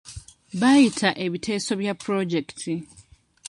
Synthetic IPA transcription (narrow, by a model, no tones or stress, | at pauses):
βajitʰaʔe̞βitʰe̞ːso̞βjapːɾo̞ɟektʰi